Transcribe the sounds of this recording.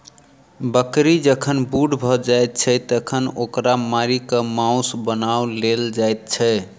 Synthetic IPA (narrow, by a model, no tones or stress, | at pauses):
bəkɾid͡ʒəkʰənbuɖbʱɔd͡ʒajt̪̚t͡ʃʰɛt̪əkʰənokɾamaɾikəmãusbənawleld͡ʒajt̪̚t͡ʃʰɛ